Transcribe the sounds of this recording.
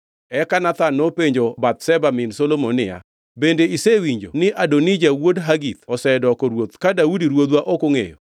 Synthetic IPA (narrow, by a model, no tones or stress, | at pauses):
ɛkanat̪anːopeɲd͡ʒobat̪̚sɛbamɪnsolomonɪja̰ | bendeisewiɲd͡ʒo̰nɪʔadonid͡ʒawodɦaɡit̪̚ɔsɛdɔkɔɾwot̪kadaudiɾwod̪waʔokoŋḛjo̰